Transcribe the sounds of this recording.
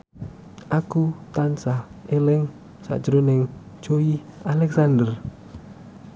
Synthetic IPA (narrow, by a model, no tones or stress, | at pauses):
ʔakut̪ansaelɪŋ | sa̰d͡ʒɾonɪŋd͡ʒoialɛksand̪ər